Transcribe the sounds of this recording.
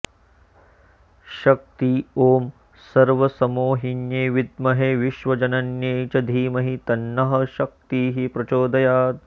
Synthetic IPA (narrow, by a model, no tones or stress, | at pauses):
ʃɐk̚t̪ioːm | sɐɾʋɐsɐmoːɦinjeːʋid̪mɐɦeʋiʃʋɐd͡ʒɐnɐnjeːt͡ʃɐd̪ʱiːmɐɦit̪ɐnːɐɦɐ̆ʃɐk̚t̪iːɦipɾɐt͡ʃoːd̪ɐjaːt̪̚